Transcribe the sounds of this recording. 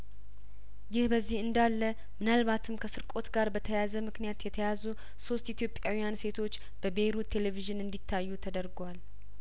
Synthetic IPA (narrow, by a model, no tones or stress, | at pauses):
jɪhbəzːihɨnd̪alːə | mɨnalβat̪ʰɨmkʰəsɨɾkʼo̞t̪ɡaɾbət̪ʰəjazəmɨknijat̪jɛt̪ʰəjazu | so̞st̪it̪jo̞pʼːjawijanse̞t̪ʰo̞t͡ʃː | b̥əbe̞ɾut̪ʰːe̞leviʒɨnɨnd̪it̪ʰːajːut̪ʰəd̪əɾɡwal